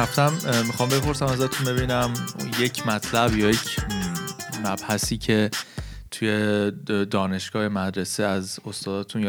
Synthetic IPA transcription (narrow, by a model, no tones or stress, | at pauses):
æft̪ʰæmːixɒːmbe̞pʰo̞ɾsæmæzɒt̪ʰunbe̞biːnæmjecʰmæt̪ʰlæbjɒːjecʰ | mæb̥hæsiːcʰe̞t̪ʰujed̪ɒːne̞ʃɡ̥ɒːjemæd̪ɾeseæzost̪ɒːd̪ɒːt̪ʰunj